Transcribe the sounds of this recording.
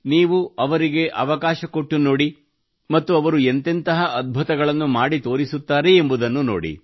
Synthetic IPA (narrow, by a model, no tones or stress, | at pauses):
niːʋuɐʋɐɾiɡe̞ʔɐʋɐkaːʃɐkoʈːunoːɽi | mɐt̪ːuɐʋɐɾuent̪ent̪ɐɦɐʔɐd̪̚bʱut̪ɐɡɐɭɐnːumaːɽit̪o̞ːɾisut̪ːaːɾeembud̪ɐnːuno̰ːɽḭ